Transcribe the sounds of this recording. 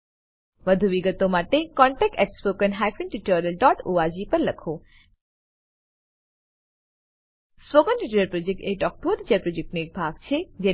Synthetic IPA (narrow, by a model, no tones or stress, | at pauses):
ʋəd̪ʱuʋiɡət̪omaʈekɔ̃ɳʈɛk̚ʈɛʈspokənɦajfənʈiʈəɾəlɖɔʈoad͡ʒipəɾləkʰo | spokənʈiʈəɾəlpɾod͡ʒek̚ʈeɖɔk̚ʈod̪d͡ʒalpɾod͡ʒek̚ʈnoek̚bʱaɡ̚t͡ʃʰed͡ʒe